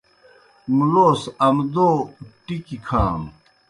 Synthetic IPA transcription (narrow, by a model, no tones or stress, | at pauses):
mloːsɐmd̪oːʈikikʰaːm